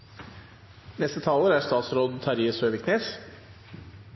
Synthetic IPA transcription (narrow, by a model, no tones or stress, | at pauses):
nɛst̪ət̪ʰɑːləːɾæst̪ɑːt̪sɾoːd̪t̪ʰɑɾɪəsøːʋɪkneːs